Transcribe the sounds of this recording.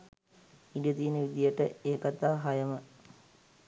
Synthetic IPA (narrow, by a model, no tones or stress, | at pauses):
iɖijət̪iːnəʋid̪ijəʈəeːkat̪aːɦajəmə